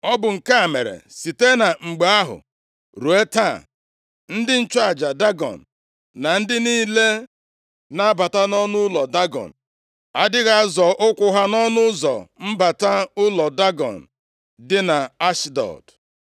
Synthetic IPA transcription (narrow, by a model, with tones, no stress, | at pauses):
ɔ˦bʊ˨ŋ̩˨ka˦˨me˨ɾḛ˨si˨te˦na˨ŋ͡m̩˨ɡ͡be˨a˦ɦʊ̰˨ | ɾu˨e˦ta˦˨ | n̩˦dɪ˦n̩˦t͡ʃa˨d͡ʒa˨da˦ɡɔ̰˨n̩˨ | na˨n̩˦dɪ˦niː˦le˦ | na˦a˦ba˨ta˦nɔ˦nʊ˦lɔ˨da˦ɡɔ̰˨n̩˨ | a˦dɪ˦ɣa˦a˦zɔ˨ʔʊ˦kʷʊ˦ɦa˦nɔ˦nʊ˦zɔ̰˨m̩˦ba˨ta˦ʊ˦lɔ˨da˦ɡɔ̰˨n̩˨ | dɪ˦na˨a˦ʃdɔ̰˨d̥